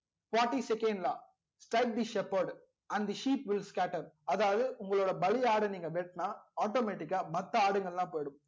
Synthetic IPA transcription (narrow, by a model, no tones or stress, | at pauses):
faːɾʈːisɛkẽnɖlaː | sʈɾɐɪk̚d̪iʃɛpɐɾɖ | ɐ̃nɖd̪iʃiːpʋɪlskaːʈɐɾɐðaːʋɐðɯʔʊŋɡɐɭoːɽɐbɐlɪaːɽɐniːŋɡɐʋɛʈnaːaːʈoːmeːʈːɪkːaːmɐt̪ːɐaːɽɯŋɡɐɭlãːpoːjɐɽɯm